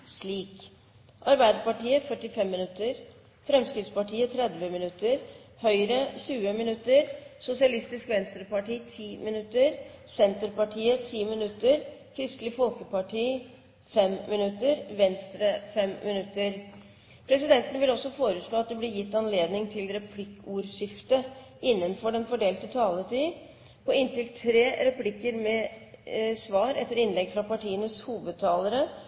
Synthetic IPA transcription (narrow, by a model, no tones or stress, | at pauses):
ʂɭiːk | ʔɑɾbæɪd̪əpɑʈiːəfœʈːɪfɛmːɪnʉt̪ːəɾ | fɾɛmskɾɪt̪spɑʈiːət̪ʰɾɛd̪ʋəmɪnʉt̪ːəɾhœʏɾəɕʉːəmɪnʉt̪ːəɾsʊsɪɑlɪst̪ɪskʋɛnst̪ɾəpɑʈiːt̪ʰiːmɪnʉt̪ːəɾsɛnt̪əɾpɑʈʰiːət̪ʰiːmɪnʉt̪ːəɾkʰɾɪst̪lɪfɔlkəpɑʈʰiː | fɛmmɪnʉt̪ːəɾʋɛnst̪ɾəfɛmmːɪnʉt̪ːəɾ | pʰɾɛsɪd̪ɛnt̪ənəʋɪlɔsːɔfoːɾəʂɭoːɑt̪̚d̪ɛblɪɾjɪt̪ːɑnleːd̪nɪŋt̪ʰɪlɾɛpʰlɪkːuːɾʂɪft̪əɪnːənfɔɖɛnfɔɖeːlt̪ət̪ʰɑːlət̪ʰiː | pʰɔɪnt̪ɪlt̪ʰɾeːɾɛpʰlɪkːəɾmɛ | sʋɑːɾɛt̪ːəɾɪnlɛɡfɾɑpɑʈʰiːənəshuːʋəd̪̚t̪ʰɑːləɾə